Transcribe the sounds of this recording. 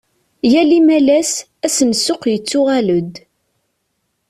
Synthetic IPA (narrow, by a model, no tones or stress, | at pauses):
jælimælæs | æsənsːʊqjət͡sːʊʁæləd̪